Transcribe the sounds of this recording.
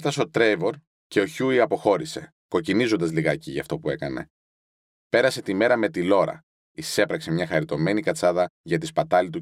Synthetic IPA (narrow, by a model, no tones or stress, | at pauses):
t̪ɐsot̪ɾejvo̞ɾ | ce̞o̞çuiɐpo̞xo̞ɾise̞̰ | ko̞cinizo̞nd̪ɐzliɣɐciʝɐ̰ft̪o̞pue̞kɐne̞̰ | pe̞ɾɐse̞t̪ime̞ɾɐme̞t̪ilo̞ɾɐ̰ | ise̞pɾɐkse̞mɲɐxɐɾit̪o̞me̞nikɐt͡sɐðɐʝɐt̪ispɐt̪ɐlit̪̬u